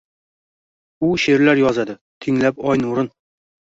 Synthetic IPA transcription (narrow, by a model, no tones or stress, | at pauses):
uɕeɾlæɾjɒzæd̪ɘ | t̪ʰiŋlæpɒjnuɾɤn